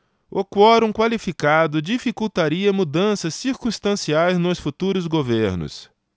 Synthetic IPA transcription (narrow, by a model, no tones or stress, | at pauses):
okwɔɾũkwalifikad̪ʊd͡ʒifikuwt̪aɾiɐmud̪ɐ̃sɐsːiɾkũst̪ɐ̃siajznʊsfut̪uɾʊzɡoveɾnʊ̰s